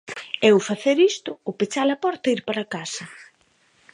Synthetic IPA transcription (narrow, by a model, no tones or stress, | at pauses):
ɛwfaθeɾist̪ʊːpet͡ʃalɐpɔɾt̪ɐiɾpaɾakasɐ